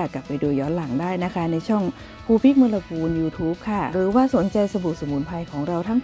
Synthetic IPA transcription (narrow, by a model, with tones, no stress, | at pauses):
kːa˨˩pːa˧jduː˧jɔː˦˥nla˩˦ŋdaː˥˩jna˦˥kʰa˦˥na˧jt͡ɕʰɔ˥˩ŋ | pʰuː˧pʰi˦˥k̚mɯː˧la˧pʰuː˧njuː˧t̪ʰuː˦˥p̚kʰa˥˩ɾɯː˩˦waː˥˩so˩˦nt͡ɕa˧jsa˧bu˨˩t̚so˨˩muː˨˩˦npʰa˧jkʰɔː˩˦ŋɾa˧wt̪ʰa˥˩ŋ